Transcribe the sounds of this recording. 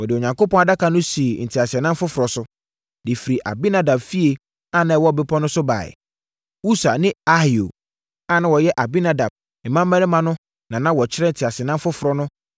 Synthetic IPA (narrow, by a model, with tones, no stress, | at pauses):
wɔ˨dɪ˨ɔ˨ɲã˨ŋko˦pʰɔ̃˦a˨da˦kʰa˨nʊ̃˦si˨e˨n̩˨tʰi˨a˨sɛ˨nã˦m˦fʊ˦fʊ˨ɾɔ˨sʊ˦ | dɪ˨fi˨ɾi˨ʔa̰˨bi˦nã˨da˨bfi˦e˨ | a˦˨nã˨ɛ˨wɔ˦˨be˦pʰɔ˦nʊ̃˦sʊ˦ba̰ː˨ɪ̰˨ | u˦sa̰˨nɪ̃˦a˦hi˨o̰˨ | a˦nã˨wɔ˨jɛ˦ʔa˨bi˦na˨da˨b̥̚ | ɛ˨mã˦mː˦ã˦nɪ̃˦mã˦nʊ̃˦ | nã˨nã˦wɔ˨t͡ɕʰɪ˦ɾɛ˦n̩˨tʰi˨a˨sɪ˨ɛ˨nã˦mfʊ˦fʊ˨ɾɔ˦nʊ̃˦